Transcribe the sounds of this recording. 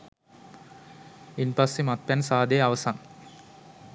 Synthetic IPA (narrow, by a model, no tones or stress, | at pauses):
inpasːemat̪̚pænsaːd̪eaʋəsaŋ